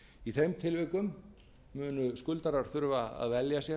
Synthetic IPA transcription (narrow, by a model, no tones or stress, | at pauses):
iθejmt̪ʰɪlvɪkʏmː | ʏːnʏskʏlt̪aɾaɾ̥θʏɾvaa̰ðvɛljasjɛ